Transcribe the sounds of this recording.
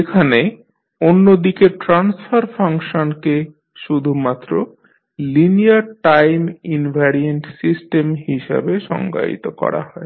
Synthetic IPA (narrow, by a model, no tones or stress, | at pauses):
ekʰane | onːod̪ikeʈɾansfaɾfʰaŋʃonke | ʃud̪ʱumat̪ːɾo | linijaɾʈajminbʱaɾienʈsisʈemhiʃa̰beʃɔ̰ŋɡa̰ḭt̪okɔ̰ɾa̰ɦɔe